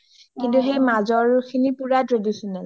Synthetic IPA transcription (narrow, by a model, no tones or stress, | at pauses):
kintuxejmazɔɹkʰinipuɹatɹedisɔnal